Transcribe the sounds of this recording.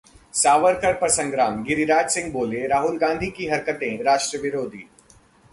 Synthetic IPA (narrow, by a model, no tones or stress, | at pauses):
saːʋəɾkəɾpɐsə̃ŋɡɾaːmɡɪɾiɾaːd͡ʒsɪ̃ŋɡ̚boːleɾaːɦʊlɡãːnd̪ʱikiɦɐɾkət̪ẽɾaːʃʈɾəʋɪɾoːd̪ʱḭː